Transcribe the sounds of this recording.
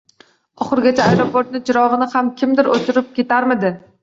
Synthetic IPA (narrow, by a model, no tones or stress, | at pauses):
ɒχɨɾɡʲat͡ʃʰaːjɾopoɾt̪̚nɪt͡ʃʰɪɾɒʁɨnɪhamkʲʰɪmd̪ɪɾot̪ʰɪɾɪp̚kʲʰe̞t̪aɾmɪd̪ɪ